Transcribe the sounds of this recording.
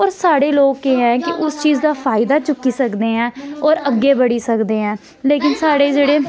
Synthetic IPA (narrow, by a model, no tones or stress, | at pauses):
ɔːɾsaːɽeːloːɡːeːɦɛ̃ːkɪʔʊst͡ʃiːzd̪aːpʰaːɪd̪aːt͡ʃʊkːiːsəkd̪eːɦɛ̃ːɔːɾəɡːeːbəɽiːsəkd̪eːɦɛ̃ː | leːkɪnsaːɽeːd͡ʒeːɽeː